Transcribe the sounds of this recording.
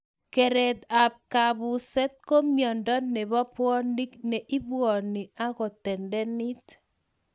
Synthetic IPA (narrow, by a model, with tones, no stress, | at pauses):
kɛ˨ɾɛ˨t̪a˨p̚ka˨βu˨sɛ˦t̚ko˦mjɔ˨ndɔ˦nɛ˨βɔ˦pwɔ˦ndi˦knɛ˨ʔi˦bwɔ˨ni˨a˦ɣɔ˨tɛ˨ndɛ˦ni˦t